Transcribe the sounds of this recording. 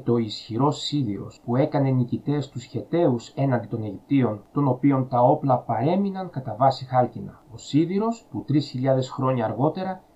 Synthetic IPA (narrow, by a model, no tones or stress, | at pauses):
t̪o̞isçiɾo̞siðiɾo̞̰spue̞kɐne̞nicit̪e̞st̪usçe̞t̪e̞use̞nɐnd̪it̪o̞neʝip̚t̪io̞nt̪o̞no̞pio̞nt̪ɐo̞plɐpɐɾe̞minɐŋkɐt̪ɐvɐsixɐlcinɐo̞siðiɾo̞sput̪ɾisçiʎɐðe̞sxɾo̞ɲɐːɾɣo̞t̪e̞ɾɐ